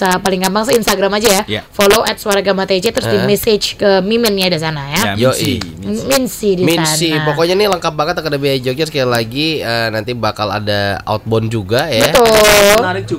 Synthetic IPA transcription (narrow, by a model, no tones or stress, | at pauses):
sapalɪŋkampaŋsəinst̪aɡɾamad͡ʒajafoloʔɛt̪̚swaɾaɡamat̪et͡ʃet̪əɾʊsdimɛset͡ʃkəmimɛnɲadis̬anajajoʔḭ | minsidimisasiapokɔɲaniləŋkap̚baŋət̪akədabiad͡ʒod͡ʒəskaalaɡiəːnant̪ibakala̰daa̰ut̪̚bɔnd͡ʒuɡajabət̪ʊ